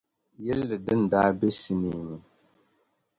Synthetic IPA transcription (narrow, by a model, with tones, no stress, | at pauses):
jɛ˦lːɨ˨dɨ˦n̩˨da˦bɛ˦si˦mi˨nu˨